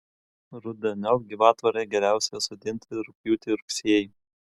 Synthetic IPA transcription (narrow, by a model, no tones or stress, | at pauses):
ɾʊd̪ʲɛnʲɔlˠɡʲiːʋɑːt̪ʋɐɾeɡʲɛɾʲæˑʊsʲɛsɔd̪ʲɪnʲt̪ʲɪɾʊpʲjuːt̪ʲɪɾʊksʲeɛjɪ